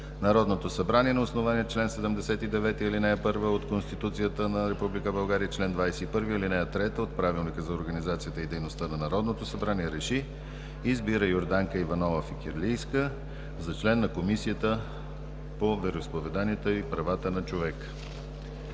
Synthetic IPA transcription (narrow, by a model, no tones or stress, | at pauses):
nɐɾɔd̪not̪osɐbɾaniɛnɛosnovaniɛt͡ʃlɛnsɛd̪əmd̪ɛsɛt̪id̪ɛvɛt̪iilinɛɛpɤɾvəot̪konst̪it̪ut̪sijət̪ənɐɾɛpublikəbɐlˠɡaɾijət͡ʃlɛnd̪vajsɛipɤɾviilinɛjət̪ɾɛt̪əot̪̚pɾavilˠnikəzɐoɾɡənizat̪sijət̪əid̪ɛjnost̪ənɐnɐɾɔd̪not̪osɐbɾaniɛɾɛʃiː | zbiɾəjoɾd̪aŋkəivɐnɔlˠəfikʲɛɾlijskə | zɐt͡ʃlɛnːɐkomisijət̪ə | povɛɾoispovɛd̪aniət̪əipɾɐvat̪ənɐt͡ʃovɛk